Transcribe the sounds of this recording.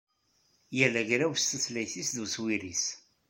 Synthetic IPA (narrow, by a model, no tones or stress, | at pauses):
jælːæʝɾæwst̪əθlæjθisðuswiɾis